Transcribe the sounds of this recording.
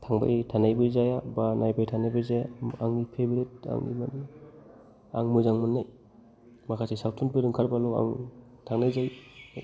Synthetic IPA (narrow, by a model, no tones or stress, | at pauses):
tʰaŋba̰jtʰanajbɯzajabanajbajtʰanajbazajaaŋnipʰebiɾit̚a̰ŋḭman | a̰ŋmujzaŋmanːaj | makʰasisawtʰunpɯdɯŋkʰaɾbalɔa̰ŋ | tʰaŋnajzaj